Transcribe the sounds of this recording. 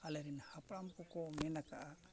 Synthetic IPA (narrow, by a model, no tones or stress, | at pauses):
alɛɾinhapɽampukɔmɛnakaʔa